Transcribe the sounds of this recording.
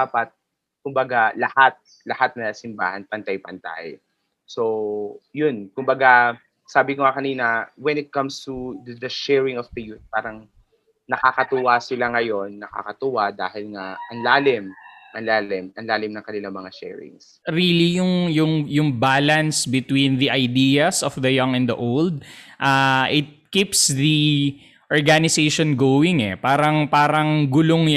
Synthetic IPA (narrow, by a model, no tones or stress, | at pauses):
d̪apɐt̪̚ | kʊmbɐɡalɐhat̪̚ | lɐhat̪̚nɐsɪmba̰ːhɐnpɐnt̪ajpɐnt̪a̰j | so̞jʊnkʊmbɐɡa | saːbɪkoŋakɐniːnɐwɛnɪt̪̚kɐmst̪ud̪ɐʃɛɹɪŋɔfd̪ɐjuθ̚paːɾɐŋ | nɐkakɐt̪ʊwasɪlaŋɐjo̞nːɐka̰kɐt̪ʊwad̪a̰ːhɪlŋaʔɐŋlaːlɪmʔɐŋlaːlɪmʔɐnlaːlɪmnɐŋkɐnɪlaŋmɐŋaʃɛ̰ɹɪ̰ŋs | ɾiːlijʊŋjʊŋjʊŋbaːlɐnsbɪt̪wĩnðɐʔɐjd̪iːɐsɔfd̪ɐjɐŋɛnd̪ɐʔowld̪̚ʔaʔɪt̪̚kipsði | ʔɔɹɡanɪseʃonɡowɪŋɛ̰paːɾɐŋpaːɾɐŋɡʊloŋ